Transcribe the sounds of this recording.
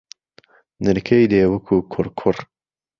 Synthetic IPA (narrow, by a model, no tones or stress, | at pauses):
nɨɾkʰejd̪eːwəkʰuːkʰʊɾkʰʊr